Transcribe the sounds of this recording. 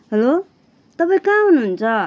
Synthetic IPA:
ɦʌlo | t̪ʌpaĩkãɦunɦunt͡sʰʌ

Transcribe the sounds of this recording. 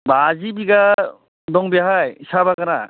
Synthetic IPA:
bazibiɡa | d̪ɔŋbijaɦajisabaɡana

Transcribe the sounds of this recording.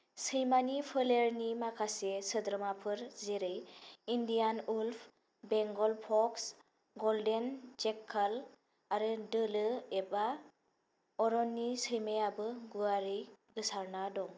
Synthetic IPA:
sɯjmanipʰɯleɾnimakʰasesɯdɾɯmapʰɯɾzeɾɯjindijanulpʰ | beŋɡɔlpʰɔks | ɡɔldend͡ʒekʰːal | aɾɯdɯlɯeba | ɔɾɔnːisɯjmejabɯɡuaɾɯjɡɯsaɾnadɔŋ

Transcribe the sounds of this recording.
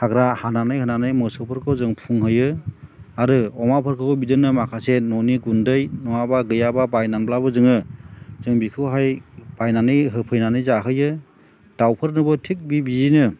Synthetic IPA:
haɡɾahananɯjhɯnanɯjmɯsɔpʰɯɾkʰɯwzɯŋpʰuŋɦɯjɯ | aɾɯɔmapʰɯɾkʰɯbidɯnɯmakʰasenɔniɡundɯjnɔŋabaɡɯjababajnanblabɯzɯŋɯz̥ɯŋbikʰɯwɦajb̥ajnanɯjɦɯpʰɯjnanɯjzaɦɯjɯ | d̥awpʰɯɾnɯbɯtʰik̚bibizinɯ

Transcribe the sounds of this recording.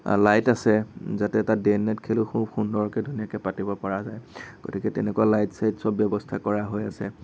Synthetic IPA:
lajtasɛzatɛtadenːɛtkʰelʊxubxundɔɹɔkɛdʱunijakɛpatibɔpaɹazajɡ̥o̰tikɛtɛ̰nɛkualajtsajtsɔbːjɔbɔstʰakɔɹaɦojasɛ̰

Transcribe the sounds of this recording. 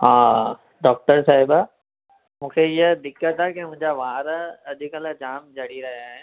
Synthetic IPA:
ɦãː | ɖɔːk̚ʈəɾsaːɦiba | mũːkʰeɪjəd̪ɪkːət̪akemʊ̃ɦɪ̃ɲd͡ʑaʋaːɾɐʄʱikələd͡ʑaːmd͡ʒɐɽiɾɐɦjaːɦeː

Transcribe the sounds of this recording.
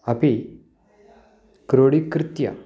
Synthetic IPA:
api | kɾoɽikɾɪt̪ja̰

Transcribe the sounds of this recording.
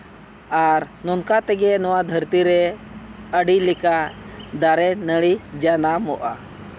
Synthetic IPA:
aɾnɔnkat̪ɛɡɛnɔwad̪ʱəɾt̪iɾɛ | əɖilikad̪aɾɛnəɽid͡ʒanamɔʔa

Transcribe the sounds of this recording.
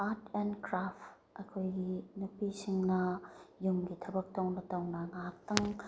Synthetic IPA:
aɾtʰenkɾapt | ɐkʰojɡinupisiŋnɐjumɡitʰɐbɐk̚tɐwnɐtɐwnɐŋak̚tɐŋ

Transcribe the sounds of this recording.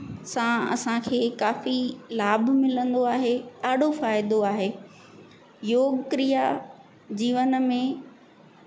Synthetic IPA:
sãɐ̰sãkʰeːkaːfilaːbʱmɪlə̃nd̪oaːɦeaːɖofaːɪd̪oaːɦeː | joːɡkɾija | d͡ʑiːʋənmẽ

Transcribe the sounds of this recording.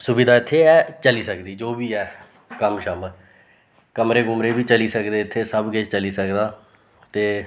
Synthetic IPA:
sʊbid̪aːɪt̪ʰːeːɛːt͡ʃəliːsəkd̪iːd͡ʒoːbiːɛː | kəmʃəmə | kəmɾeːɡʊmɾeːbiːt͡ʃəliːsəkd̪eːɪt̪ʰːeːsəbɡet͡ʃt͡ʃəliːsəkd̪aː | t̪eː

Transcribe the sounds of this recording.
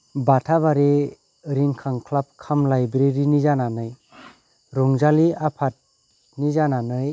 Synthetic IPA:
batʰaβaɾe | ɾiŋkʰaŋkʰlap̚kʰamlajbɾeɾinizananɯj | ɾɔŋzaliapʰat̚ | nizananɯj

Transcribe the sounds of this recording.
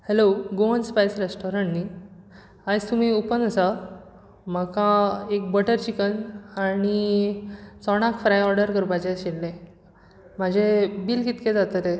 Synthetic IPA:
heloɡoənspajsɾesʈɔɾəɳni | ad͡zt̪um̤iupənəsa | məkãek̚bəʈəɾt͡ɕikənaɽ̃i | t͡sɔɽ̃akfɾajɔɾɖəɾkəɾpad͡ʑeɕelːẽ | m̤ad͡ʑʱebilkit̪ked͡zat̪ət̪e

